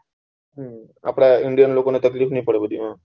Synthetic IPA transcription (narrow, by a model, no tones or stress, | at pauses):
ɦ | a̰pɽaiɳɖijənloːkonet̪əkliːfnĩpəɽebəd̪imãː